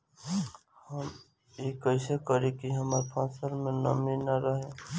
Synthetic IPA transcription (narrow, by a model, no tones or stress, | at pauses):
həm | eːkəɪsekəɾẽkiɦɐmaɾpʰãːsəɾmẽnə̰minaɾəɦẽ